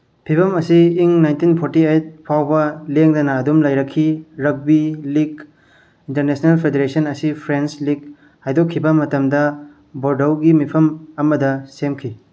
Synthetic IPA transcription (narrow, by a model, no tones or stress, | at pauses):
pʰibʰɐmɐsiːŋnajntinpʰoɾtiejt̚pʰawbɐleŋdɐnɐːdumlɐjɾɐkʰːiɾɐk̚biliɡ | intɐɾnesnelpʰedeɾesɐnɐsipʰɾenslik̚ | hajdokʰːibɐmɐtɐmdɐ | boɾdowɡimipʰɐmɐmɐdɐsemkʰi